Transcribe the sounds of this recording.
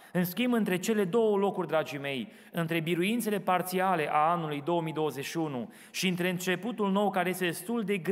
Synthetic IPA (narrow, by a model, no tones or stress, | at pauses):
ɨnskʲimbɨnt̪ɾe̞t͡ʃe̞le̞d̪o̞wəlo̞kurʲd̪ɾad͡ʒime̞j | ɨnt̪ɾe̞biɾuint̪se̞le̞part̪siale̞ʔaanːulujd̪o̞omijd̪o̞wəze̞ʃiunu | ʃiɨnt̪ɾe̞ɨnt͡ʃe̞put̪ulno̞wkaɾe̞je̞st̪ed̪e̞st̪uld̪e̞ɡ